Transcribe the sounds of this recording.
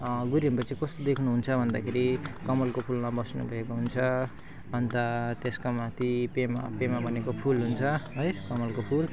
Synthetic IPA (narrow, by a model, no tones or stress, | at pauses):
ɡuɾimpʌt͡sʌ̃ĩkʌst̪od̪ekʰnuɦunt͡sʰʌbʱʌnd̪akʰeɾikʌmʌlkopʰulmabʌsnṵbʱʌekoɦunt͡sʰʌ | ʌnt̪ʌt̪eskamat̪ʰipema̰pemabʱʌnekopʰulɦunt͡sʰʌɦʌjkʌmʌlkopʰul